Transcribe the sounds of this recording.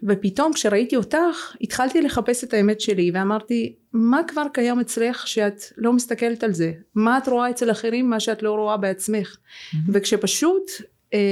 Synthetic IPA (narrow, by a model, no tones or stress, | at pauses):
ve̞pito̞mkʃe̞ʁaitio̞taχit̪χaltile̞χape̞se̞taemetʃe̞liveamaʁti | makvaʁkajamet͡sleχʃeat̪lo̞mist̪ake̞letalze̞maːtʁo̞ae̞t͡se̞laχe̞ʁimːaʃeatlo̞ʁo̞abeat͡sme̞χve̞kʃe̞paʃut